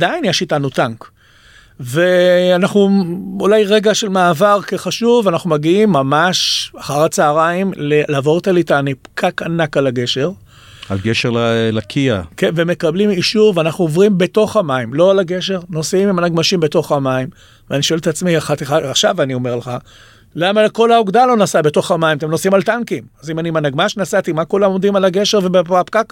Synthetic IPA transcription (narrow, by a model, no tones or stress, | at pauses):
ad̪ainjaʃitanutaŋk | veanaχnuulajʁe̞ɡaʃelmaːvaʁkeχaʃuvanaχnumaɡiimːamaʃaχaʁat͡saːʁaimlelaːvo̞ʁt̪alitanipkʰakanakalaɡe̞ʃe̞ʁ | alɡeʃeʁlalakʰia̰keveme̞kablimiʃuʁveanaχnuovʁimbe̞to̞χamaimlo̞alaɡe̞ʃe̞ʁno̞simimanaɡmaʃimbe̞to̞χamaim | veaniʃo̞eletat͡smiaχat̪iχaaχʃavanio̞me̞ʁleχa | lamako̞lauɡd̪alo̞nasabe̞t̪o̞χamaimat̪̬emno̞simalt̪aŋkimazimanimanaɡmaʃnasat̪imakulamomd̪imalaɡe̞ʃe̞ʁvebepapkak